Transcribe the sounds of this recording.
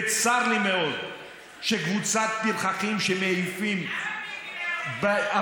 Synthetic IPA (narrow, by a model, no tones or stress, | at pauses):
t͡saʁlimeod̪ | ʃeɡvut͡sat̪̚bilχaχimʃemeijfim | ba